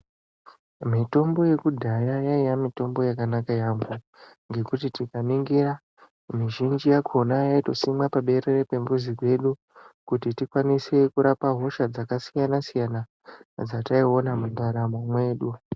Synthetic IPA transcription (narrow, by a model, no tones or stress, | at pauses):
mito̞mbo̞je̞kudʱajajaijamito̞mbo̞jakanakajaŋɡu | ŋɡe̞kutitikamiŋɡiɾa | miʒind͡ʒijakʰo̞najaitosimapaɓe̞ɾerepe̞mbuzikwe̞ɗu | kutitikwaniswe̞kuɾapaɦo̞ʃad͡zakasijanasijana | d͡zataio̞namundaɾamamwe̞ːɗu